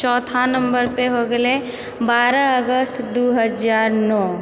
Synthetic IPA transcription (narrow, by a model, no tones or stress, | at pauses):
t͡ʃɔːt̪ʰanə̃mbəɾpeɦoɡəle | baːɾəəɡəst̪ʰd̪uɦəd͡ʒaːɾnɔː